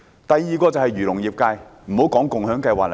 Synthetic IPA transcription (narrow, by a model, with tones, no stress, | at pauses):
t̪ɐ˨jːiː˨kɔː˧t͡sɐ˨whɐ˨jɥyː˨˩lʊ˨˩ŋjiː˨p̚kaː˧jm̩˨˩ho˨˥wkɔː˨˥ŋkʊ˨ŋɦœː˨˥ŋkɐ˧jwaː˨k̚l